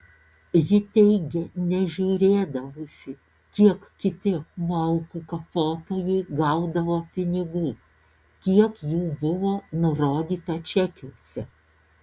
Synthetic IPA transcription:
jɪt̪ʲɛɪɡʲɛnʲɛʒʲuːɾʲeːd̪ɐʋoːsʲɪ | kʲiɛkkʲɪt̪ʲɪmɐlˠkuːkɐpoːt̪oːjɛɪɡɐʊd̪ɐʋoːpʲɪnʲɪɡuː | kʲiɛkjuːbʊʋoːnʊɾoːd̪ʲiːt̪ɐt͡ʃʲɛkʲoːsʲɛ

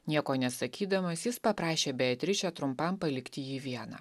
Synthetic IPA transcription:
nʲiɛkoːnʲɛsɐkʲiːd̪ɐmɐsjɪspɐpɾɑːʃʲeːbʲɛt̪ʲɾʲɪt͡ʃʲɛt̪ɾʊmpɐmpɐlʲɪkt̪ʲɪjiːʋʲiɛnɑ̰ː

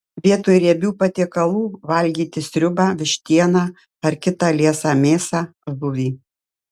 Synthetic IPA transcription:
ʋʲiɛt̪uːɪɾʲɛbʲuːpɐt̪ʲeɛkɐlˠuːʋɐlʲɡʲiːt̪ʲɪsʲɾʲʊbɑːʋʲɪʃʲt̪ʲiɛnɑː | ɐɾkʲɪt̪ɑːlʲeɛsɑːmʲeːsɑːbʊʋʲiː

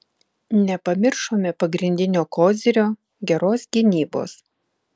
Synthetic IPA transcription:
nʲɛpɐmʲɪɾʃoːmʲɛpɐɡɾʲɪnʲd̪ʲɪnʲoːkoːzʲɪɾʲoː | ɡʲɛɾoːsɡʲɪnʲiːbo̰ːs

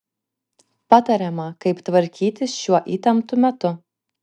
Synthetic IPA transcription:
pɑt̪ɐɾʲɛmɐkɐɪpt̪ʋɐɾʲkʲiːt̪ʲɪsʃʲuɔʔiːt̪ʲɐmt̪ʊmʲɛt̪ʊ

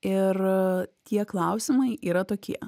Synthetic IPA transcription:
ɪɾt̪ʲiɛklˠɐʊsʲɪmɐɪʔiːɾɐt̪oːkʲiɛ

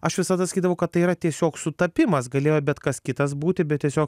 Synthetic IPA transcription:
ɐʃʋʲɪsɐd̪ɐsɐkʲiːd̪ɐʋɐʊkɐt̪̚tɐɪiːɾɐt̪ʲiɛsʲoːksʊt̪ɐpʲɪmɐsɡɐlʲeːjoːbʲɛt̪kɐskʲɪt̪ɐsbuːt̪ʲɪbʲɛtʲiɛsʲoːk

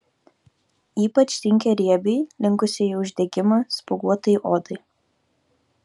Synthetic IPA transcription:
iːpɐt͡ʃʲsʲɪŋʲkʲɛɾʲiɛbʲɛɪlʲɪŋˑkʊsʲeiʊʒʲd̪ʲɛɡʲɪmɐspʊɡuɔt̪ɐjʔoːd̪ɐɪ

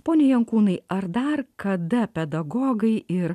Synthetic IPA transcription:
poːnʲejɛŋkuːnɐɪɐɾd̪ɐrkɐd̪ɐpʲɛd̪ɐɡoːɡɐɪɪɾ

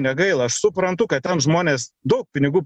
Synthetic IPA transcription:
nʲɛɡɐɪlˠɐɐʃsʊpɾɐnt̪ʊkɐt̪tʲɛnʒmoːnʲeːsd̪ɐʊk̚pʲɪnʲɪɡuːp

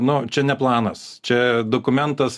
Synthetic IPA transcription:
nʊt͡ʃʲɛnʲɛplˠɑːnɐs | t͡ʃʲɛd̪oːkʊmʲɛnt̪ɐs

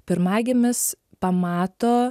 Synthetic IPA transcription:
pʲɪɾmɑːɡʲemʲɪs | pɐmɑːt̪oː

